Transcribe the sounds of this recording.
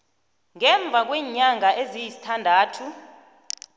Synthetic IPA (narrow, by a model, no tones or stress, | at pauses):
ŋɛɱb̪vʱak̬wiːɲaŋaʔezijisi̥tʰandʱaːtʰu